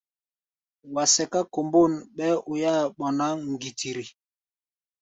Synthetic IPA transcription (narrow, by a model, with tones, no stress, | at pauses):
wa˨sɛ˨ka˦ko˨mbo˦˨n˨ɓɛ˦ʔu˨ja˦ɓɔ˨na˦ŋ̩˨ɡi˨tʰi˨ɾi˨